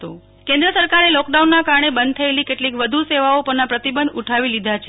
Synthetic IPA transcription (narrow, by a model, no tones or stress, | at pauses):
t̪o | kẽnd̪ɾəsəɾkaɾelɔkɖaunːakaɾɳebənd̪̚t̪ʰəelikeʈlikʋəd̪ʱuseʋaopəɾnapɾət̪ibənd̪uʈʰaʋilid̪ʱat͡ʃʰ